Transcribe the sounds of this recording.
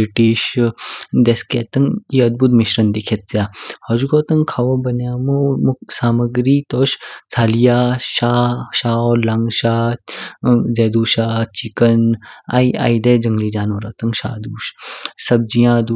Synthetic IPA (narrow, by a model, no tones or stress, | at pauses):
iʈiʃ | d̪eskeːt̪ɐŋiɐd̪̚but̪miʃɾɐnd̪ikʰet̪̚zjaːhɐd͡ʒuɡoːt̪ɐŋkʰaʋobɐnjaːmomusaːmɐɡɾiːt̪oːʃt͡sʰaːlijaːʃaːʃaːɔlaŋɡʃaː | zeːd̪uːʃaːt͡ʃikəna̰ia̰ːid̪ed͡ʒɐŋɡliːd͡ʒaːnʋɐɾɔːt̪ɐŋʃa̰ːd̪uːʃsɐb̚d͡ʒijãːd̪